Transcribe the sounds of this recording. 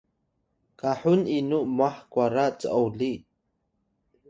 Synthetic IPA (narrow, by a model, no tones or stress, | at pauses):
kaħuninuʔmaħkwaɾat͡sə̰ʔowli